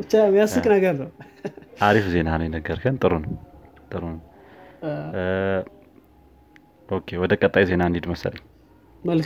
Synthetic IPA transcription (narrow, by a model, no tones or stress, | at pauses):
ɨt͡ʃːamjasɨkʼnɐɡəɾnɐwʔaɾifze̞nanujɪnəɡəɾkʰɨnt̪ʼɨɾon | t̪ʼɨɾonɐw | ʔokʰewɔd̪əkʼət̪ʼːajze̞naɨnid̪mɐsə̰lɲ | məl